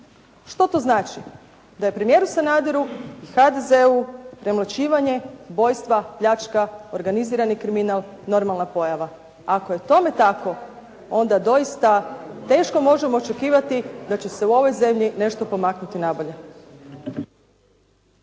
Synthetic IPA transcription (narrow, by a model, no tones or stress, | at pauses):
ʃt̪o̞t̪o̞znaːt͡ʃi | d̪aje̞pɾe̞mije̞ːɾusanaːd̪iɾuixad̪e̞zeupɾe̞mlat͡ɕiːʋaɲe̞bo̞jst̪ʋapʎat͡ʃkao̞ɾɡaniziːɾanikɾiminal | no̞ɾmalˠnapo̞jaʋa | akoje̞t̪o̞me̞t̪ako̞ | o̞nd̪ad̪o̞ist̪at̪e̞ːʃko̞mo̞ʒe̞mo̞ːt͡ʃe̞kiːʋat̪id̪at͡ɕe̞se̞uo̞ʋo̞jze̞mʎine̞ʃt̪o̞po̞maknut̪inabo̞ʎe